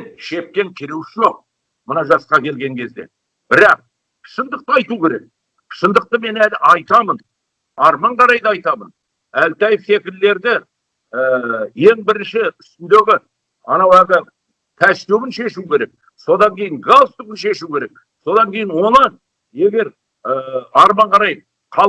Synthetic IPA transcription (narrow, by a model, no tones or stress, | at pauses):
ʃe̞p̚kʲe̞ŋkʲʰɪɾewɪʃʒo̞q̚ | mənɑʒɑsqɑkʲʰe̞lɡʲe̞ŋkʲʰe̞zd̪e̞̰ | b̥ɪɾɑq̚ | qʰʃənd̪əq̚t̪əɑjt̪ukʲe̞ɾe̞k̚ | qʰʃənd̪əq̚t̪əme̞nælɪʔɑjt̪ɑmən | ɑɾmɑɴqɑɾɑjd̪ɑɑjt̪ɑmən | ælt̪ɑjɪfse̞kʲɪɾle̞ɾd̪ɪ | je̞ŋbɪɾɪnʃɪʏ̥st̪ɪnd̪eɡʲɪ | ɑ̰nɑwæd̪ɪ | t̪ʰæʃt̪ewɪnʃe̞ʃuwkʲʰe̞ɾe̞k̚ | so̞d̪ɑŋkʲe̞jɪŋɡalˠst̪ʊkənʃe̞ʃuwkʲʰe̞ɾe̞k̚ | so̞d̪ɑŋkʲʰe̞jɪnwo̞nɑn | e̞ɡʲe̞ɾ | ɑɾmɑɴqʰɑɾɑj | qʰɑ